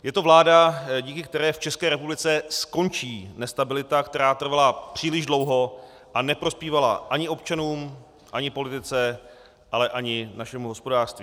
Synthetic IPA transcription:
jɛt̪o̞vlaːdaɟiːkɪk̚t̪ɛɾɛːft͡ʃɛskɛːɾɛpublɪt͡sɛsko̞nt͡ʃiːnɛst̪abɪlɪt̪akt̪ɛɾaːt̪r̩valapr̥iːlɪʒdlo̞wɦo̞ | ʔanɛpɾo̞spiːvala̰ʔaɲɪʔo̞p̚t͡ʃanuːm | ʔaɲɪpo̞lɪt̪ɪt͡sɛ | ʔalɛʔaɲɪnaʃɛmuɦo̞spo̞daːr̥st̪viː

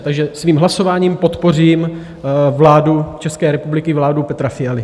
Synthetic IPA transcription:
t̪aɡʒɛsviːmɦlaso̞vaːɲiːmpo̞t̪po̞riːm | vlaːdut͡ʃɛskɛːɾɛpublɪkɪvlaːdupɛt̪ɾafɪjalɪ

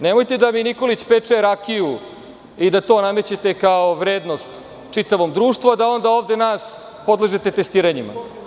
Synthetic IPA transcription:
nemojt̪e̞d̪aminiko̞lit͡ɕpet͡ʂeɾakiju | id̪at̪o̞ːname̞t͡ɕet̪ekaoʋɾeːd̪no̞st̪ | t͡ʂit̪aʋo̞md̪ɾuːʃt̪ʋoad̪ao̞nd̪ao̞ːvd̪e̞naːs | po̞d̪lˠeʒet̪e̞t̪est̪iːɾaɲima̰

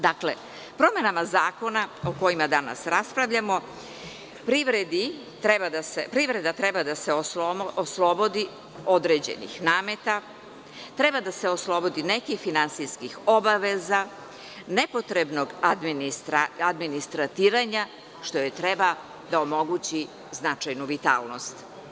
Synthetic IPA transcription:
d̪akle | pɾo̞me̞namazaːko̞naoko̞jimad̪ana̰sɾaspɾaʋʎamo̞ | pɾiʋɾed̪i | t̪ɾebad̪asepɾiʋɾe̞d̪at̪ɾebad̪aseoooslˠobo̞d̪i | o̞d̪ɾe̞d͡ʑe̞̰nḭxnaːme̞t̪a | t̪ɾe̞bad̪aseoslˠo̞bo̞d̪inekixfinansijskixo̞baʋe̞za | nepo̞t̪ɾebno̞ɡad̪minist̪ɾaad̪minist̪ɾat̪iːɾaɲa | ʃt̪o̞jet̪ɾeba | d̪aomo̞ɡut͡ɕi | znat͡ʃajnuʋit̪a̰ːlˠno̞st̪

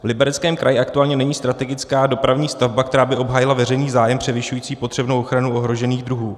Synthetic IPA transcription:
vlɪbɛɾɛt͡skɛːmkɾajɪʔak̚t̪uaːlɲɛnɛɲiːst̪ɾat̪ɛɡɪt͡skaːdo̞pɾavɲiːst̪avbakt̪ɛɾaːbɪʔo̞bɦaːjɪlavɛrɛjniːzaːjɛmpr̥ɛvɪʃujiːt͡siːpo̞t̪r̥ɛbno̞wʔoxɾanuo̞ɦɾo̞ʒɛniːɣd̪ɾuɦuː

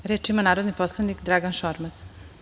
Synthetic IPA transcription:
ɾeːt͡ʃimanaːɾod̪niposlˠanikd̪ɾaɡanʃoɾmaz

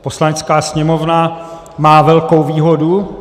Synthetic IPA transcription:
po̞slanɛt͡skaːsɲɛmo̞vna | maːvɛlko̞wviːɦodu

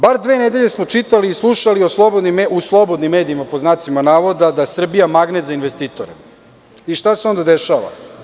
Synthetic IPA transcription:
baɾd̪ʋened̪e̞ʎe̞smo̞t͡ʃit̪aliːslˠuʃalio̞slˠobod̪nimeuslˠo̞bo̞d̪nimːe̞ːd̪iimapoznaːt̪simanaːʋo̞d̪ad̪asr̩bijamaɡnet̪zainʋest̪iːt̪oɾe | iʃt̪aseo̞nd̪ad̪eʃaːʋa̰

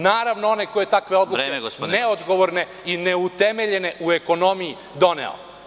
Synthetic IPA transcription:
naːɾaʋnoo̞nekojet̪akʋe̞o̞d̪luɾeeeɡsneod̪ɡo̞ʋoɾne̞ | ineut̪emeʎe̞ne̞ʔueko̞no̞miji | d̪o̞nḛo̰

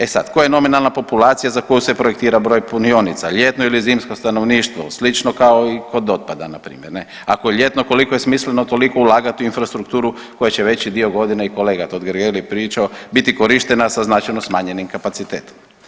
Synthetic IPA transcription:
esa̰t̪kojeno̞minalˠnapo̞pulˠaːt̪sijazako̞juse̞pɾojekt̪iːɾabɾo̞jpunio̞nit̪saʎe̞t̪noilizimskost̪ano̞ʋniːʃt̪ʋo̞̰slit͡ʃno̞kao̞iko̞d̪o̞t̪̚pad̪a̰napɾḭːmjeɾne | akojeʎʲe̞t̪no̞ko̞liko̞je̞smislenot̪o̞liko̞ulˠaːɡat̪iuinfɾast̪ɾukt̪uːɾu | ko̞jet͡ɕeʋe̞t͡ɕid̪ioɡo̞d̪ineiko̞leːɡat̪od̪ɡɾɡelipɾiːt͡ʃaobit̪iko̞ɾiʃt̪enasaznat͡ʃajnosmaːɲe̞nimkapat̪sit̪eːt̪o̥m

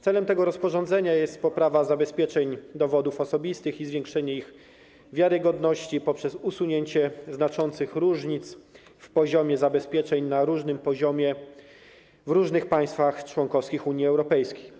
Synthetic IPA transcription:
t̪sɛlɛmt̪ɛɡɔɾɔspɔʐɔ̃nd̪zɛɲajɛst̪̚pɔpɾavazabɛspʲjɛt͡ʂɛɲd̪ɔvɔd̪ufɔsɔbʲist̪ɘxizvʲjeŋkʂɛɲɛiɣ | vʲjaɾɘɡɔd̪nɔɕt͡ɕipɔpʂɛsusuɲeɲt͡ɕɛznat͡ʂɔnt̪sɘxɾuʐɲit̪s | fpɔʑɔmʲjɛzabɛspʲjɛt͡ʂɛɲnaɾuʐnɘmpɔʑɔmʲjɛ | vɾuʐnɘxpaj̃st̪faxt͡ʂwɔŋkɔfskʲixuɲiɛwɾɔpɛjskʲej

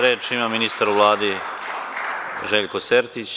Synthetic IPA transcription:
ɾeːt͡ʃimaminist̪aɾuʋlˠaːd̪i | ʒeːʎkoseɾt̪it͡ɕ

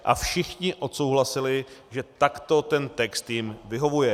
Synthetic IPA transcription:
ʔa̰fʃɪxɲɪʔo̞t̪so̞wɦlasɪlɪʒɛt̪akt̪o̞t̪ɛnt̪ɛkst̪jɪmvɪɦo̞vujɛ

